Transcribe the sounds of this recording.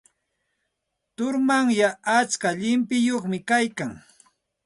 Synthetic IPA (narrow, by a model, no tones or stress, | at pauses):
t̪ʊɾmaŋjaʔːt͡skaʎɪmpɪjoχmɪkajkaŋ